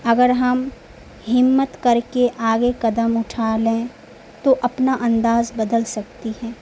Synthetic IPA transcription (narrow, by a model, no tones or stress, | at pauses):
ɐɡəɾɦɐm | hɪmːət̪kɐɾkeʔaːɡekɐd̪əmʊʈʰaːlẽ | t̪oʔɐpnaʔɐ̃nd̪aːzbɐd̪əlsɐk̚t̪ihɛ̃ː